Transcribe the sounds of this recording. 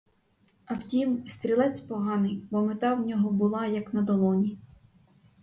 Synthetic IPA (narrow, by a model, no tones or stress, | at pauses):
ɐwtʲimst̪ɾʲilˠɛt͡sʲpɔɦɑnɪjbɔmet̪ɑwnʲɔɦɔbʊlˠɑjɐknɐd̪ɔlˠɔnʲi